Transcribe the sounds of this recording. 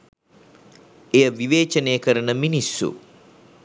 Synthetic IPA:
ejəʋiʋeːt͡ʃənejəkəɾənəminisːṵ

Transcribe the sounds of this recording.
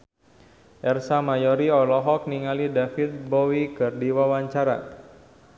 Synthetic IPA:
ʔɛrsamajɔɾiɔlɔɦɔk̚niŋalidafit̪̚bɔwikɨrdiwawaɲt͡ʃaɾa̰

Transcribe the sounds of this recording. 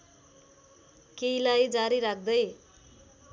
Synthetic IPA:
keilajd͡zaɾiɾak̚ʰd̪ʌj

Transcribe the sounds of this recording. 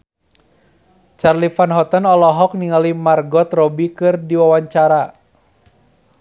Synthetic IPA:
t͡ʃarlifanɦɔt̪ənɔlɔɦɔk̚niŋalimarɡɔt̪rɔbikɨrdiwawaɲt͡ʃaɾa

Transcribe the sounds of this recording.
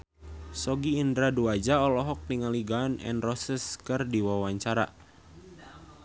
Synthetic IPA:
sɔɡiːndɾaduad͡ʒaɔlɔɦɔk̚niŋaliɡanʔɛ̰nrɔsəskərdiwawaɲt͡ʃaɾa̰

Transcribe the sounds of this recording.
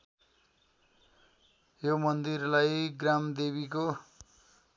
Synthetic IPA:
jomʌnd̪irlajɡramd̪eβiko

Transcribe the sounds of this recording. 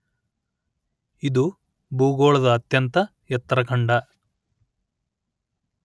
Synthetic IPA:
id̪u | buːɡoːɭɐd̪ɐːt̪jɐnt̪ɐ | jɛt̪ːɾɐkʰɐɳɖɐ

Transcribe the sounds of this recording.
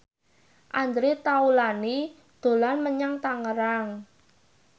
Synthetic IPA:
ʔand̪ɾet̪aulani | d̪̥o̤lanməɲaŋt̪aŋəɾaŋ

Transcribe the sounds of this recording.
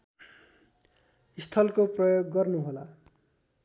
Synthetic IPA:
ist̪ʰʌlkoprʌjoɡːʌrnuɦola

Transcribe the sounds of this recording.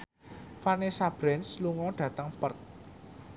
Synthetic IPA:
fanesab̥ɾɛnsluŋɔɖ̥ä̤t̪əŋpərt̪̚

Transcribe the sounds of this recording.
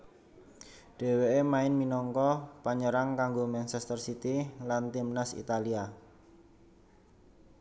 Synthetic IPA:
ɖ̥e̤weʔemaɪnminɔŋkɔpaɲəɾaŋkaŋɡomant͡ʃɛst̪ərsit̪ilant̪imnasḭt̪alia

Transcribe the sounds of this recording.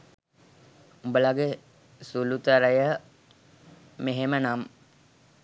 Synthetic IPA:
umbəlaɡe | sulut̪əɾəjə | meɦemənam

